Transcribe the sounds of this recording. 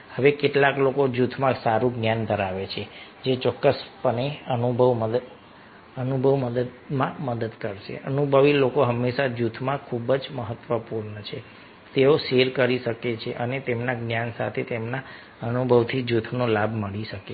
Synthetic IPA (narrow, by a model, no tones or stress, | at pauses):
həʋekeʈlaklokod͡ʒut̪ʰmãsaɾũɡnjand̪ʱəɾaʋet͡ʃʰed͡ʒet͡ʃɔkːəspəɳeənubʱəʋməd̪ə | ənubʱəʋməd̪əd̪mãməd̪əd̪kəɾʃḛʔənubʱəʋilokoɦəmːeʃad͡ʒut̪ʰmãkʰubəd͡ʒməɦət̪ːʋəpuɾnət͡ʃʰe | t̪eoʃeɾkəɾiʃəket͡ʃʰeʔənet̪emnaɡnjansa̰t̪ʰet̪emna | ənubʱəʋt̪ʰid͡ʒut̪ʰnolabʱməɭiʃəke